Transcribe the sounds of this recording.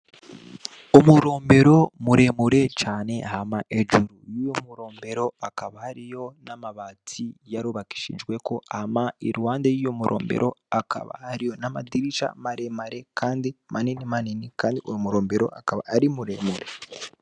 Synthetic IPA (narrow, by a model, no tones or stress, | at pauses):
omuɾo̞ːmbe̞ɾo̞muɾe̞muɾe̞t͡ʃaːne̞hamaʔed͡ʒuɾujujomuɾo̞ːmbe̞ɾo̞akaβahaɾijo̞namaβaːtʰijaɾuβaki̥ʃḭːnd͡ʒɡwe̞ko̞amaiɾwaːndajijomuɾʔo̰ːmbḛɾo̞akʰa̰βa̰haɾijo̞nama̰diɾiʃa̰maɾemaɾe̞kʰaːndimʔaninimaninikaːndiojomuɾoːmbe̞ɾo̞̰akaβa̰ːɾimuɾemuɾe̞